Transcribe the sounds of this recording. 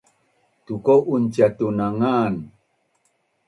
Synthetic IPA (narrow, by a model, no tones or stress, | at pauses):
tukowʔunt͡ʃiat̪unaŋan